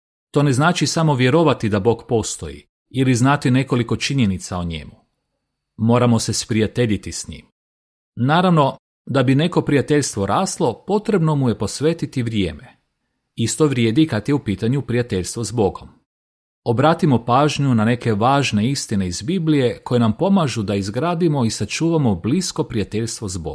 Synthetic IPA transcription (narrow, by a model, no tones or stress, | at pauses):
t̪o̞ne̞znaːt͡ʃisamo̞ʋje̞ɾo̞ʋat̪id̪abo̞ːɡpo̞st̪o̞̰jḭ | iliznat̪ine̞ko̞liko̞t͡ʃiɲe̞nit̪saoɲḛmu | mo̞ːɾamo̞se̞spɾijat̪e̞ʎit̪isɲḭːm | naːɾaʋno̞ | d̪abine̞ko̞pɾijat̪e̞ʎst̪ʋoɾaːslˠo̞po̞t̪ɾe̞bno̞muje̞po̞sʋe̞ːt̪it̪iʋɾjḛːme | ist̪o̞ʋɾjeːd̪ikat̪jeupiːt̪aɲupɾijat̪e̞ʎst̪ʋo̞zbo̞ɡom | obɾaːt̪imo̞paːʒɲunane̞ke̞ʋaːʒne̞ist̪ine̞izbiblije̞ko̞jenampo̞maʒud̪aizɡɾaːd̪imo̞isat͡ʃuːʋamo̞blisko̞pɾijat̪e̞ʎst̪ʋo̞zbo̰ɡm